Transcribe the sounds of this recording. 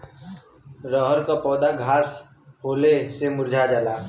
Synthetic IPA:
ɾəɦəɾkapɔːd̪aɡʱaːs | ɦoːlesemʊɾd͡ʒʱad͡ʒalaː

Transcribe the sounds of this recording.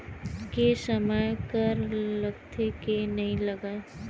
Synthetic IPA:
kesəməjkəɾləɡt̪ʰekenɐɦĩləɡa

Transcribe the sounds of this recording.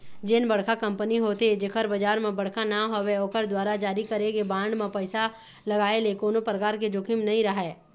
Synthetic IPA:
d͡ʒɪnbɐɽ̤kʰakɐ̃mpəniɦoːt̪ed͡ʒɪkʰəɾbɐd͡ʒaːɾmẽbɐɽ̤kʰanaɦoweoːkəɾd̪waːɾad͡ʒaːɾikɐɾeɡebãːɳɖmẽpɛɪsa | lɐɡaːelekoːnopɾəkaːɾk̬ed͡ʒʊkɪmnɐɦĩɾɐɦɛː

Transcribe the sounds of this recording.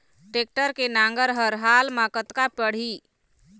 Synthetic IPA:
ʈek̚ʈəɾkenaŋɡəɾɦəɾɦalmakət̪kapəɽ̤i

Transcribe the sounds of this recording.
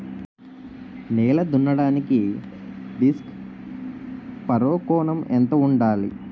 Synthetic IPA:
nɛːlɐd̪unːɐɽaːniki | ɖisk | pɐɾoːkɔːnɐmɛnt̪ɐuɳɖaːlḭ

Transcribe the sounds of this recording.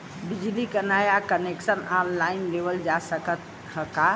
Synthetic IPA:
bid͡ʒlikənajakəneksənanlainleʋəld͡ʒasəkət̪ | həka

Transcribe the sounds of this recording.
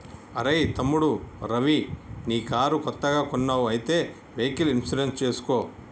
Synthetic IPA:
ɐɾɐjt̪ɐmːuɽuɾɐʋiniːkaːɾukɔt̪ːɐɡaːkɔnːaːwuɐjt̪eː | ʋeːkilinsid͡ʒenst͡ʃeːsu̥koː

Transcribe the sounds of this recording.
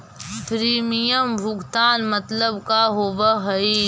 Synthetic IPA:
pɾiːmijəmbʱʊɡt̪aːnmɐt̪ləbkaɦoːbəɦɐi

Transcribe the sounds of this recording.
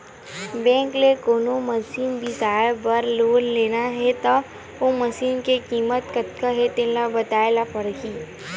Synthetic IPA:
bɛ̃ːŋklekoːnoməsiːnbʱisaːbəɾloːnleːnaɦɛt̪ɐ | oməsiːnkekiːmət̪kət̪kaɦet̪elabɐt̪aːelapɐɾɡiː

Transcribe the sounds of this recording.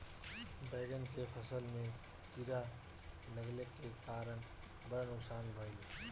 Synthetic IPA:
bɛːɡənkepʰəsəlmẽ | kiɾa | ləɡlekekaːɾən | bəɾnʊksaːnbʱəi

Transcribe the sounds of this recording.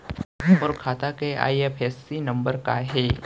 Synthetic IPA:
ɔːɾkʰaːt̪akea̰ːiepʰɛːsːinɐ̃mbəɾkaɦɛː

